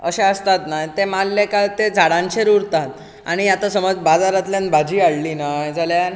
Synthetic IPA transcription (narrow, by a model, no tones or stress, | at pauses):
ə̰ɕeəst̪at̪najt̪emalːekaɭt̪ed͡zʱaɽãɲt͡ɕeɾuɾt̪at̪ | a̰ɽ̃ijat̪asəməd͡zbad͡zaɾat̪ljanbʱad͡ʑiːaɽlinajd͡zʱaljan